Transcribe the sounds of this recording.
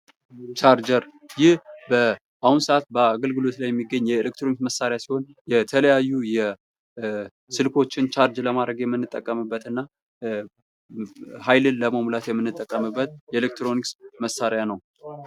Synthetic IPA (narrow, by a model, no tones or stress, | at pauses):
t͡ʃʰaɾd͡ʒəɾ | jɪhbə | ʔahunsəʔat̪̚bəaɡəlɡɨlo̞t̪lajɛmːiɡːəɲːjɛelekt̪ɾoniksməsaɾejasiho̞n | jɛt̪ʰələjajːujɛ | sɨlkʰo̞t͡ʃːɪnt͡ʃʰaɾd͡ʒləmad̪ɾəɡjɛmːɨnːɨt̪ʼːəkʼːəmɨbːət̪ɨnːa | hajlɨnləməmulat̪jɛmːɨnːɨt̪ʼːəkʼːəmɨbːət̪̚jɛelek̚t̪ɾo̞niksməsːaɾjanəw